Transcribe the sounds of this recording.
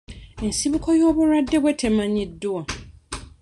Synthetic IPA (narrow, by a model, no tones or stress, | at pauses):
n̩sibʊkʰɔjɔbʊɾadɛwɛtʰɛmãɲĩdʊɔ